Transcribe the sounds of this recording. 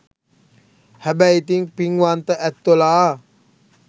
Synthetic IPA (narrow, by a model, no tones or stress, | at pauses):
hɛbɛit̪iŋpiŋwant̪əʔɛt̪ːola